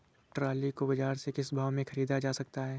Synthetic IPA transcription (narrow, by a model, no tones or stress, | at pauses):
ʈɾaːlikobɐd͡ʒaːɾsekɪsbʱaːʋmẽxɐɾiːd̪ad͡ʒaːsɐk̚t̪aɦɛː